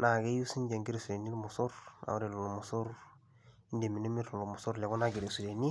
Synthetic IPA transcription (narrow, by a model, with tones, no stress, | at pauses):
na˨ɡe˦ju˦si˦ɲɟe˨ŋɡi˦ɾe˨su˨ɾe˨ni˦lmu˨su˦ɾa̰˨wɾe˨lo˨lo˨mu˨su˦ɾ | i˦nde˨mi˨no˦mi˦ɾlu˨lo˨mu˨su˦ɾle˨ɡu˦na˦ɡi˨ɾe˨su˨ɾe˨ni˦